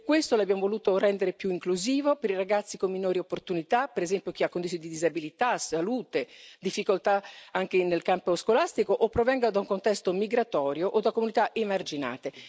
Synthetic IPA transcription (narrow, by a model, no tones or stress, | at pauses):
kːwest̪oleabjaːmovoluːt̪orɛnd̪eɾepjuiŋkluziːvopeɾiɾaɡat̪sːikomːinoːɾiopːort̪unit̪apeɾezɛmpjok̟iakːond̪it̪ːond̪id̪izabilit̪asaluːt̪ed̪ifːikolt̪aaŋk̟enelkamposkolast̪ikoʔopːɾovɛŋɡad̪auŋkont̪ɛst̪omiɡɾat̪ɔːɾjoʔod̪akomunit̪aʔemard͡ʒina̰ːt̪e